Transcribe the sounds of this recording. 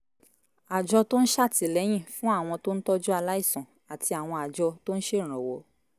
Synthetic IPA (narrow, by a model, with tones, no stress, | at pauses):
a˨d͡ʒɔ˧to˦n̩˦ʃa˦˨ti˨lɛ˨˦j̃ĩ˦˨fũ˦a˦˨w̃ɔ̃˧to˦n̩˦tɔ˦d͡ʒu˦a˧la˦i˦˨sɔ̃˨ | a˨tʰi˧a˨w̃ɔ̃˧a˨d͡ʒɔ˧to˦n̩˦ʃe˦˨ɾ̃ɔ̃˨wo˨˦